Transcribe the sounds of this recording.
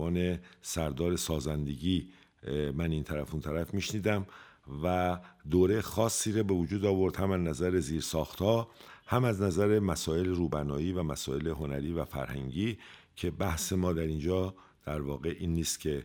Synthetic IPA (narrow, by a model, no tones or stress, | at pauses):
ɒːne̞sæɾd̪ɒːɾe̞sɒːzænd̪e̞ɟiː | mæniːnt̪ʰæɾæfunt̪ʰæɾæfmiːʃniːd̪æmvæd̪oːɾe̞jxɒːsːiːɾɒːbe̞vod͡ʒuːd̪ɒːvo̞ɾd̪̥hæmæznæzæɾe̞ziːɾsɒːxt̪hɒːhæmæznæzæɾe̞mæsɒːe̞leɾuːbænɒːiːvæmæsɒːe̞leɦo̞næɾiːvæfæ̰ɾhæ̰ŋɟiː | cʰe̞bæhse̞mɒːd̪æɾind͡ʒɒː | d̪̥æɾvɒːɣe̞ʔiːnːiːst̪cʰe̞